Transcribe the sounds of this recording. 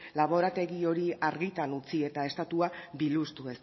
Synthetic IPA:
laβ̞o̞ɾat̪e̞ɣio̞ɾiaɾɣit̪anut͡sie̞t̪ae̞st̪at̪uabilust̪ue̞s

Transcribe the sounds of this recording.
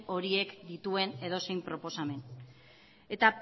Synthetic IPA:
o̞ɾie̞kd̪it̪ue̞ne̞ðo̞se̞jmpɾo̞po̞same̞n | e̞t̪a

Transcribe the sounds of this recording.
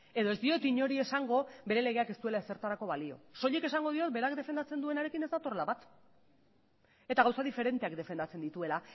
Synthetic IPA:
e̞ðo̞esd̪io̞t̪iɲo̞ɾie̞saŋɡo̞be̞ɾe̞le̞ɣ̞e̞ake̞st̪ue̞laese̞ɾt̪aɾako̞βalio̞̰so̞ʎeke̞saŋɡo̞ð̞io̞t̪̚be̞ɾakd̪e̞fe̞nd̪at͡se̞nd̪ue̞naɾe̞kine̞zd̪at̪o̞relaβat̪ | e̞t̪aɣawsaðife̞ɾe̞nt̪e̞akd̪e̞fe̞nd̪at͡se̞nd̪it̪ue̞la

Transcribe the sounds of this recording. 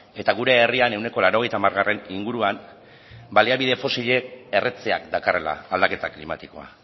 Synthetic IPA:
e̞t̪aɣ̞uɾe̞ːriane̞wne̞ko̞laɾo̞ɣ̞e̞jt̪amaɾɣ̞arʔe̞niŋɡuɾuan | baliaβiðe̞fo̞siʎe̞ːret͡seakd̪akare̞la̰ːld̪ake̞t̪aklima̰t̪iko̞̰a̰

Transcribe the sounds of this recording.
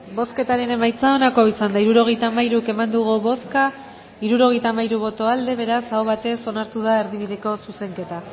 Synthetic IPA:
bo̞ske̞t̪aɾe̞ne̞majt͡sao̞nako̞isand̪aiɾuɾo̞ɣ̞e̞jt̪aːmajɾuke̞mand̪uɣ̞uβo̞ska | iɾuɾo̞ɣ̞e̞jt̪aːmajɾuβ̞o̞t̪o̞ald̪e̞β̞e̞ɾasawβ̞at̪e̞so̞naɾt̪uðaeɾðiβ̞iðe̞ko̞suse̞ŋke̞t̪a

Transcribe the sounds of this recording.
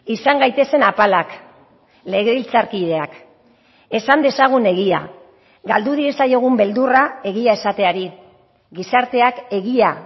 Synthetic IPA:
isaŋɡajt̪e̞se̞napalak | le̞ɣeilt͡saɾkið̞e̞ak | e̞sand̪e̞saɣ̞une̞ɣia̰ | ɡald̪uð̞iesajo̞ɣ̞umbe̞ld̪urae̞ɣiae̞sat̪e̞aɾi | ɡisaɾt̪e̞ake̞ɣia

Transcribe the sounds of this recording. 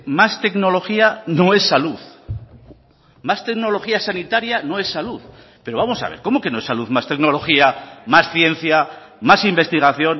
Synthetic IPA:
mast̪e̞kno̞lo̞xiano̞e̞sːaluθ | mast̪e̞kno̞lo̞xiasanit̪aɾjano̞e̞sːaluθ | pe̞ɾoβamo̞sa̰βḛɾko̞moke̞noesaluθmast̪e̞kno̞lo̞xiamasθje̞nθja | masimbe̞st̪iɣ̞aθjo̞n

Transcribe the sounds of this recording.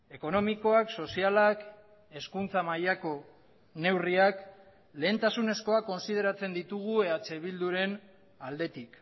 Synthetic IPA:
e̞ko̞no̞miko̞akso̞sialak | e̞skunt͡samajako̞ | ne̞wriak | le̞ːnt̪asune̞sko̞ako̞nsið̞e̞ɾat͡se̞nd̪it̪uɣ̞ue̞at͡se̞βild̪uɾe̞n | ald̪e̞t̪ik

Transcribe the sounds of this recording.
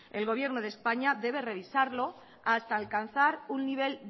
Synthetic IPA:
e̞lɣo̞β̞je̞ɾnoð̞espaɲaðe̞β̞e̞re̞β̞isaɾlo | ast̪aːlkanθaɾunːiβ̞e̞l

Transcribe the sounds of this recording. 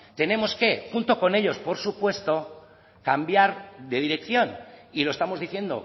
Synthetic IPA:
t̪e̞nẽ̞mo̞ske̞xunt̪o̞ko̞ne̞ʎo̞spoɾsupwe̞st̪o̞ | kambjaɾðe̞ð̞iɾe̞kθjo̞niloe̞st̪amo̞zðiθje̞nd̪o̞̰

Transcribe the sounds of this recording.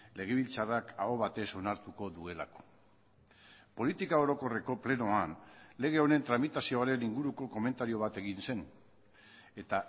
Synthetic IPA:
le̞ɣ̞e̞β̞ilt͡sarakaɣo̞βat̪e̞so̞naɾt̪uko̞ðue̞lako̞̥ | po̞lit̪ikao̞ɾo̞ko̞re̞ko̞ple̞no̞anle̞ɣ̞e̞o̞ne̞nt̪ɾamit̪asio̞aɾe̞niŋɡuɾuko̞ko̞me̞nt̪aɾio̞β̞at̪e̞ɣinse̞n | e̞t̪a

